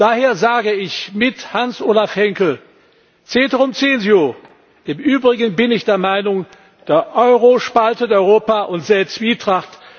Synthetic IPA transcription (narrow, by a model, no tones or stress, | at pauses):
d̥aːɦeːɐzaːɡəɪçmɪthansʔoːlafhɛŋkl̩ | t͡seːtəʁʊmt͡seːənzioː | ɪmʔyːbʁɪɡən̩bɪnɪçd̥eːɐmaɪnʊŋ | d̥eːɐʔɔʏʁoʃpaltətɔʏʁoːpaʔʊntz̥eːt͡sv̥iːtʁ̥aχt